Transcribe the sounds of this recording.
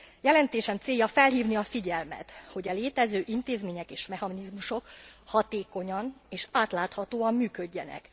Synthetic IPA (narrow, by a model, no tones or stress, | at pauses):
jɛlɛnt̪eːʃɛmt̪seːjɒfɛlɦiːvniɒfiɟɛlmɛ̰t̪ho̞ɟɛleːt̪ɛzøːʔint̪eːzmeːɲɛkeːʃmɛhɒnizmuʃo̞khɒt̪eːko̞ɲɒneːʃaːt̪laːt̪hɒt̪oːɒmːyːkø̞ɟːɛnɛ̰k